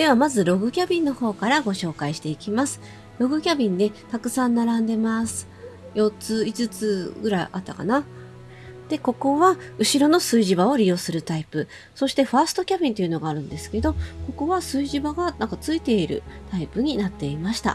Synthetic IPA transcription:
d̪̥e̞βamazɨɾo̞ɡɯ̟kʲabʲĩnːo̞ho̞ːkaɾaɡo̞ɕo̞ːkaiɕi̥t̪e̞ikʲimasɨ̥ | ɾo̞ɡɯ̟kʲabʲĩnd̪e̞t̪akɯ̟sãnːaɾãnd̪e̞masɨ̥ | jo̞t͡sɨizɨt͡sɨɡɯ̟ɾaiʔat̪ːaka̰na | d̪̥e̞ko̞ko̞βaɯ̟ɕiɾo̞no̞sɨiʑibao̞ɾʲijo̞ːsɨɾɯ̟t̪aipɯ̟ | so̞ɕi̥t̪e̞ɸaːsɨ̥t̪o̞kʲabʲĩnt̪o̞jɯ̟no̞ɡaːɾɯ̟̃nd̪e̞sɨ̥ke̞d̪o̞ko̞ko̞βasɨiʑibaɡanãŋkat͡sɨit̪e̞iɾɯ̟̰t̪aipɯɲ̟inat̪ːe̞imaɕi̥t̪a̰

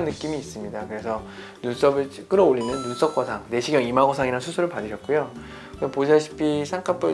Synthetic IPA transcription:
nːɯk͈imiːs͈ɯmɲidakɯɾe̞sʰʌ | nuns͈ʌbɯɭt͡ɕk͈ɯɾʌoʎːinɯnːuns͈ʌk͈asʰaŋne̞ɕʰiɡjʌŋimaɡʌsʰaŋiɾansʰusʰuɾɯɭpadɯɕʰʌt̚k͈ujo | ksʌpos̬ʰaɕʰi̥pʰisʰaŋkʰap͈ʰɯ

